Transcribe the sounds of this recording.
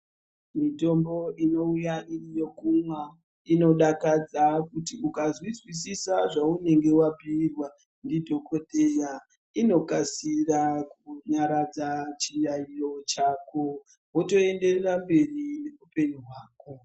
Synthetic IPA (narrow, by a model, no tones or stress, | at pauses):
mito̞mbo̞ʔino̞ujaʔirijokumwa | ino̞ɗakad͡zakutiukazwizwisisaʐaune̞ŋɡe̞wapiːrwa | ndidʱo̞ko̞teja | ino̞kasirakuɲaɾad͡zat͡ʃirairo̞t͡ʃaːko̞ | woto̞e̞nde̞rerambe̞rine̞rupe̞ɲuɦwaːko